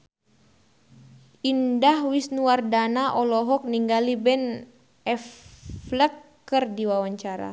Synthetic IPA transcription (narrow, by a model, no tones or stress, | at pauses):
indahwisnuwardanaʔɔlɔɦɔk̚niŋɡalibɛn | ɛfləkː | ərdiwawaɲt͡ʃaɾa̰